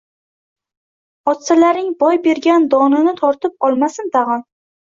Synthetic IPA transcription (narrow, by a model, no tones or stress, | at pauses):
ɒt̪salaɾɪŋbɒjbe̞ɾɡʲand̪ɒnɪnɪt̪ʰɒɾt̪ɪp̚ɒlˠmasɪnt̪ʰɑʁɑn